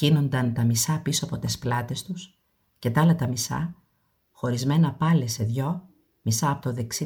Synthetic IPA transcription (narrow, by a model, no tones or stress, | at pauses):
ino̞nd̪ɐnt̪ɐmisɐpisoɐpo̞t̪e̞splɐt̪e̞st̪us | ce̞t̪ɐɐlɐt̪ɐmisɐ̰ | xo̞ɾizme̞nɐpɐlese̞ðʝo̞ | misɐːpot̪o̞ðe̞ksi